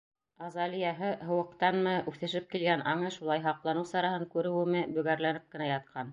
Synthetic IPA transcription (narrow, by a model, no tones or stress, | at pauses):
ɑzɑlijɑɦɤɦɤ̆wɤ̆q̚t̪ɑnmɤʔʉθɘ̆ʃɘp̚kilɡænɑɴɤʃulˠɑjɦɑqlˠɑnɤwsɑɾɑhɤŋkʉɾɘ̆wɘ̆mɘbɵ̆ɡæɾlænɘp̚kɘ̆næjɑt̪̚qʰɑn